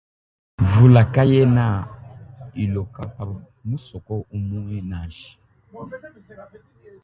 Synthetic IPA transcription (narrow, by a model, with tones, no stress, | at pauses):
vu˨la˨ka˦jɛ˦na˦˨ | i˨lo˨ka˨pa˨ | mu˦sɔ˨kɔ˦u˦mu˦ɛ˦na˨ʒi̥˨